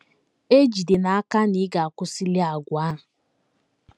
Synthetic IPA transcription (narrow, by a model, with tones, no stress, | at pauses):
e˦d͡ʒi˨de˨na˨a˦ka˦ni˦ɡa˨a˨kʊ˦si˦li˦a˨ɡʷa˦˨